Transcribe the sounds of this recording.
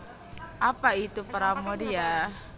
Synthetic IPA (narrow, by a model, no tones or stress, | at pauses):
ʔapait̪upaɾamodija